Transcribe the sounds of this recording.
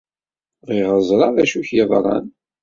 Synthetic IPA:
ʁiʁəzˤɾˤɑðæʃuçjəðˤɾˤɑ̰n

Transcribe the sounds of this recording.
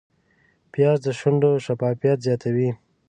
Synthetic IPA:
pjɑzd̪əʃʊɳɖoʃafɑfijat̪zjɑt̪ʰawi

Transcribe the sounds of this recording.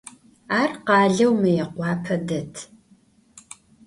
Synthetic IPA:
aːrqɑːɮɐwmɐjɛqʷɑːpʰɐdɐtʰ

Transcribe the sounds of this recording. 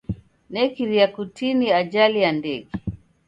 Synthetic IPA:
nɛkiɾiakutiniaʄalijandɛɡɛ

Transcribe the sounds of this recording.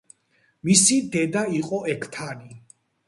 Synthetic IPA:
misid̪ɛd̪aiqʼɔɛkʰt̪ʰani

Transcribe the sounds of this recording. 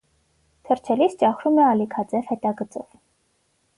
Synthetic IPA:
t̪ʰəɾt͡ʃʰɛlist͡ʃɑχɾumɛɑlikʰɑt͡sɛvhɛt̪ɑɡət͡sɔ̰v

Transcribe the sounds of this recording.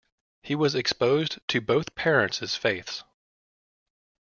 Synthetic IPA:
hiwʌzɨkspoʊztʰɨboʊθpʰɛɹɨ̃ntsɨz̥feɪθs

